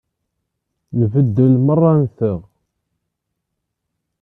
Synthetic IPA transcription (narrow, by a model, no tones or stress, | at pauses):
nvəd̪ːəlmərˤːɑnθəʁ